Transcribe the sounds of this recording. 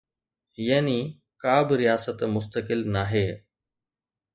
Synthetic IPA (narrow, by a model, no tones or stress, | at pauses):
jaːni | kaːbɾɪjaːsət̪mʊst̪əkɪlnaːɦeː